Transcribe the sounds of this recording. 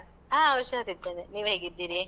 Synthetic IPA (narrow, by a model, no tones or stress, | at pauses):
ãːɐʋɐʃjɐɐt̪id̪ːeneniːʋɦe̞ːɡid̪ːiːɾi